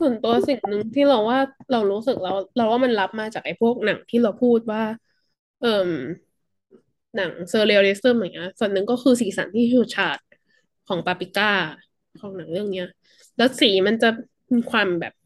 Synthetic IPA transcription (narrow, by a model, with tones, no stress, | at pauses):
su˨˩˦nt̪u˧ɐsi˨˩ŋnɯ˧ŋt̪ʰiː˥˩ɾa˧wːaː˥˩ɾa˧wɾuː˦˥sɯ˨˩k̚ɾa˧˥wɾa˧˥waː˥˩ma˧nla˦˥p̚maː˧t͡ɕaː˨˩k̚ʔa˧˩pʰu˥˩ək̚na˩˦ŋt̪ʰiː˥˩ɾa˧wpʰuː˥˩t̪̚waː˥˩ | ʔɤː˨˩m | na˩˦ŋsɤː˧le˧ɾeː˦˥st̪ɤ˥˩ma˨˩ŋi˦˥ɐ˥su˨˩ənːɯ˨˩ŋkɔː˥˩kʰɯː˧siː˨˩˦sa̰˩˦nt̪ʰiː˥˩juː˨˩t͡ɕʰaː˨˩t̪̚ | kʰɔː˩˦ŋpa˧pi˧kaː˥˩ | kʰɔː˨˩˦ŋna˨˩˦ŋɾɯ˥˩əŋni˦˥ɐ | lɛː˦˥wsiː˨˩˦ma˧nt͡ɕa˨˩ | miː˧kʰwaː˧mbɛ̰ː˨˩p̚